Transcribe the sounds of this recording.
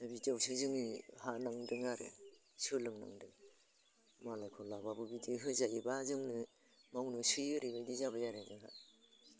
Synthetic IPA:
nabid͡ʒawsɯzɯŋihanaŋdɯŋaɾḛ | sɯlɯŋna̰ŋdɯŋ | malajkʰɔlababɯbidiɦɯzajibazɯŋnɯ | mawnɯsɯjɯɾibajdizabajaɾezɯɦa̰

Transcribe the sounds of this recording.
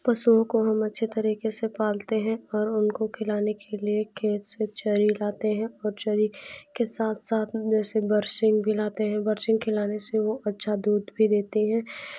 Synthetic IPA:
pɐsuõkoɦɐmɐtːʃʰet̪ɐɾiːkesepaːlt̪eɦɛ̃ɔːɾʊnkokʰɪlaːnekʰeliekʰeːt̪set͡ʃɐɾilaːt̪eɦɛ̃ɔːɾt͡ʃɐɾikesaːt̪ʰsaːt̪ʰd͡ʒɛːsebɐɾsɪ̃ŋɡbʱilaːt̪eɦɛ̃bɐɾsɪ̃ŋɡ̚kʰɪlaːneseʋoʔɐtːʃʰad̪uːd̪bʱid̪eːt̪eɦɛ̃ː

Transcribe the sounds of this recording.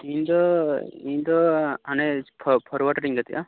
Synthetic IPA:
ĩnd̪ɔĩnd̪ɔanepʰɔpʰɔɾwaʈɾiŋɡat̪iʔa̰

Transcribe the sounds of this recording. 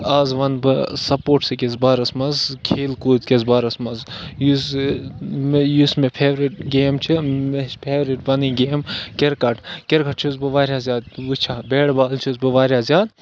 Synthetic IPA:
aːzʋɐnbɨsɐpoːʈsɨkʲezbaːɾɐsmɐzkʰeːlkuːzkʲezbaːɾɐsmɐzjus | mjusmepʰeːʋɾiʈɡeːmt͡ʃʰimepʰeːʋɾiʈʋɐniːɡeːmkʲeɾkɐʈʰkʲeɾkʰɐʈ̚t͡ʃʰiz̬bɨʋaːɾʲjaːzʲaːd̪̚ut͡ʃʰaːbeːɽbaːlt͡ʃʰizbɨʋaːɾʲjaːzʲjaːd̪

